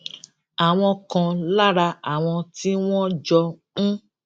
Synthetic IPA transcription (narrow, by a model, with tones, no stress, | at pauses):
a˨w̃ɔ̃˧kã˧la˦ɾa˧a˨w̃ɔ̃˧ti˦w̃ɔ̃˦d͡ʒɔ˧ | ũ˦